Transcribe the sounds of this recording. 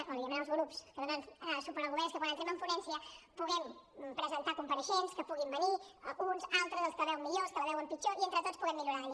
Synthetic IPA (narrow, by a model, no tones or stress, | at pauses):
oβiəmẽnwlzɣɾupskəðuɾanssupəɾəɣuβɛskəpɔðənt̪eməɱflunɛnsiəpuɣɛmpɾəzənt̪akumpəɾəʃenskəpuɣimbəniunzalˠt̪ɾəzðəlˠskəβɛwəmːiʎoskələβɛwəmpit͡ʃoient̪ɾət̪ott͡spuɣɛmːiʎuɾaðə